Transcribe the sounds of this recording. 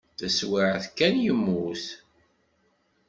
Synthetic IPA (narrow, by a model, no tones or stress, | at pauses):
θæswɪʕθkːænjəmːuθ